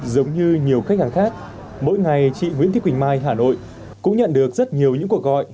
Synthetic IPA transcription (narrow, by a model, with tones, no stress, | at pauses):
zə˨˦wŋ͡mɲɨ˧ɲi˨˩əwxa˦˥k̚haː˨˩ŋxaː˦˥k̚ | mo̰˧˥jŋa˨˩jt͡ɕḭ˧˨ŋḭ˧˥t̪i˦˥wï˨˩ŋ̟maː˧jɦaː˧˩no̰˧˨j | kʊ̰˧˥ŋ͡mɲə̰˧˨nɗɨ˨˩ək̚zə˦˥t̚ɲi˨˩əwɲɨ̰˧˥ŋku˧˩ək̚ɣɔ̰˧˨jʔ